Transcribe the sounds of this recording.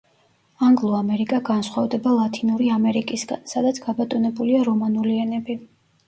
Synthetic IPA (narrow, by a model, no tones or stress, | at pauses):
aŋɡlˠɔamɛɾikʼaɡansχwavd̪ɛbalˠat̪ʰʼinuɾiamɛɾikʼisɡa̰nsad̪at̪sʰɡ̥abat̪ʼɔnɛbuliaɾɔmanuliɛnɛbi